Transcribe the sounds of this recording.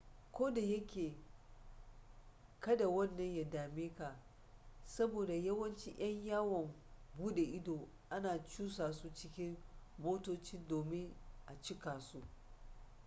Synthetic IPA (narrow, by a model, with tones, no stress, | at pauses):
kʷoː˦da˨jɐ˦kʲeː˨ | kɐ˦da˨wɐ˦nːɐ˨ɲja˨daː˨meː˦ka˨ | sɐ˦boː˨da˨jɐ˦wɐ˦nt͡ʃi˦j̰ɐ˦ɲjaː˦wɔ˨m | buː˦ɗe˨ʔɪ˦doː˨ | ʔa˦naː˨t͡ʃuː˦saː˨su˦t͡ʃɪ˦kʲɪ˦ŋmoː˦toː˦t͡ʃɪ˦ndoː˨mɪ˦ŋʔa˨t͡ʃɪ˦kaː˨su˦ʔ